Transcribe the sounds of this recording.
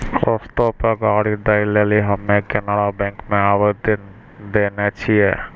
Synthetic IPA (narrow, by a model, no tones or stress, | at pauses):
kɔst̪opəɡaɽid̪aileliɦəmːekenaɽabɛ̃ŋkmẽaʋəd̪ | d̪enet͡ʃʰije